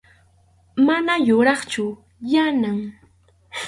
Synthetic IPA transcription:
manajʊɾɑχt͡ʃʊ | janaŋ

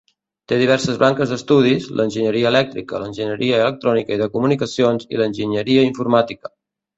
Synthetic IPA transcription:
t̪eðiβ̞ɛɾsəzβaŋkəzd̪əst̪uð̞izlʔənʲʒəɲəɾiəːlɛk̚t̪ɾikə̰lənʲʒəɲəɾʔiəːlək̚t̪ɾɔnikəiðəkumunikəsionzḭlənʲʒiɲəɾiəiɱfuɾmat̪ikə̥

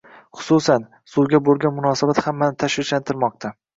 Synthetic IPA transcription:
χʊ̥susan | suwɡʲabolˠɡʲanmʊnɒsabat̪hamːanɪt̪ʰaʃvɪt͡ʃlant̪ʰɪɾmɒq̚t̪ʰa

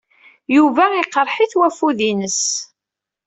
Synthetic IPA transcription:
juvæiqəɾˤħiθwæfuðinəs

